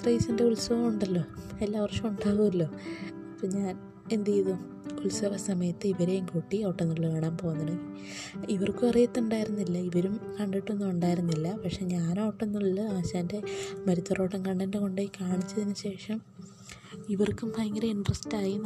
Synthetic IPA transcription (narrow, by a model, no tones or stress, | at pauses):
t̪rɐjsinde̞uɭsɐʋɐmuɳɖɐlːo̞ːelːaːʋɐrʂɐmuɳɖaːɣuɐlːo̞ːpɐpːoɲaːn | e̞nd̪ijðu | uɭsɐʋɐsɐmɐjɐt̪ːɨiʋɐɾejuŋkuʈːiɐʋʈːenːuɭːɐʋeːɳaːmpo̞ːɣnːɐɽɐ | iʋɐrkɨɐrijɐt̪ːuɳɖaːjiɾunːilːɐiʋɐɾumkɐɳɖiʈːuenːumuɳɖaːjiɾunːilːɐpɐkʂe̞ɲaːnaːʋɐʈːe̞nːuɭːɨaːɕaːnde̞mɐɾit̪ːɐroːʈːɐŋkɐɳɖɐndeko̞ɳɖekaːɳit͡ɕːɐðinːɨɕe̞ːʂɐm | iʋɐrkumpɐjŋɡɐɾɐiɳɖrɐstaːji